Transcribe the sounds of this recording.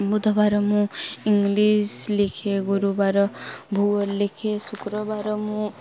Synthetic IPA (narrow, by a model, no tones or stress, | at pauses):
bud̪ʱɔbaɾɔmũiŋɡlislekʰeɡuɾubaɾɔbʱuɔlekʰesukɾɔbaɾɔmũ